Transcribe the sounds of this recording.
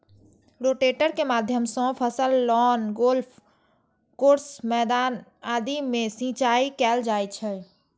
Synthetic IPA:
ɾoʈeʈəɾkemaːd̪ʱjəmsɔ̃pʰəsəlːɔːnɡolpʰ | koːɾsmɛd̪aːnaːd̪imẽsĩt͡ʃaːikɛld͡ʒaːjt͡ʃʰɛ

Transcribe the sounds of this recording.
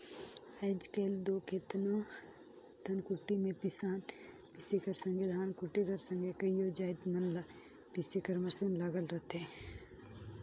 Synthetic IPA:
ɐːd͡ʒkeːld̪oːket̪no | t̪ʰɐnkʊʈːimẽpɪsaːn | pɪsekɐɾsə̃ŋɡid̪ʱaːnkʊʈikɐɾsɐ̃ŋɡekɐjoːd͡ʒaːɪt̪mɐnla | pɪsekɐɾmɐsənlaɡəlɾɐt̪ɦɛː

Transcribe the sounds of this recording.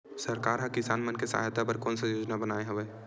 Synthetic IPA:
sɐɾkaːɾɦãkɪsaːnmənkesə̰ɦa̰jt̪apəɾkɔːnsajoːd͡ʒnabənaːeɦɐʋeː

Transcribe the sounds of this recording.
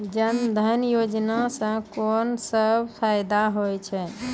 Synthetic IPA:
d͡ʒənd̪ʱənjod͡ʒnasə̃konsəbpʰajd̪aɦojt͡ʃʰɛ

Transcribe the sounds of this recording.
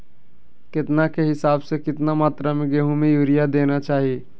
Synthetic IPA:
kɪt̪nakeɦɪsaːbsekɪt̪namaːt̪ɾamẽɡeːɦũmẽjuːɾijad̪eːnat͡ʃaːɦie

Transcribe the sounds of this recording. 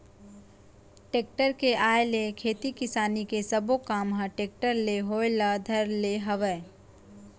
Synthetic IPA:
ʈeːk̚ʈəɾkeʔaːelekʰeːt̪ikɪsaːnikesɐbokaːmɦãʈeːk̚ʈəɾleɦoːjlad̪ʱɐɾleɦɐʋə

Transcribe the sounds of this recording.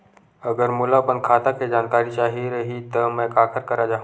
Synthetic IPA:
əɡəɾmʊlapənkʰaːt̪aked͡ʒaːnkaːɾit͡ʃaːɦiɾəɦit̪əmɛ̃kaːkʰəɾkɐɾad͡ʒaːɦũ

